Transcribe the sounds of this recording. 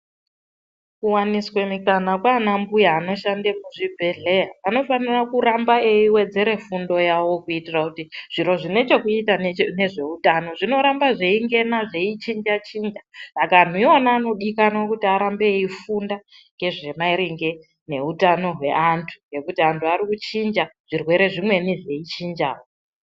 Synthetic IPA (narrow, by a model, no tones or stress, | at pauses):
kuwaniswe̞mikanakwaːnambujaːno̞ʃandemuʐibʱe̞ɮe̞jaano̞fanirakuɾambaeiwe̞d͡ze̞ɾe̞fundo̞jawo̞kuitirakutiʐ̥iɾo̞ʐine̞t͡ʃo̞kuitane̞ʐe̞utano̞ʐino̞ɾambaʐeiŋɡe̞naʐeit͡ʃind͡ʒat͡ʃiːnd͡ʒasakaːn̤uionaːno̞ɗikanaokutiaɾambe̞ifunda | ŋɡe̞ʐe̞maiɾiŋɡe̞ | ne̞utano̞ɦwe̞̰ʔantʰu̥je̞kutiantʰuaɾikut͡ʃind͡ʒaʐ̥irwe̞ɾe̞ʐimwe̞niʐe̞it͡ʃind͡ʒa̰ːwo